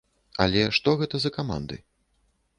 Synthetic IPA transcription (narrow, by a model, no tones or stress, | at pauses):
ɐ̰lʲɛʂt̪ɔɣɛt̪ɐzɐkama̰nd̪ɨ̰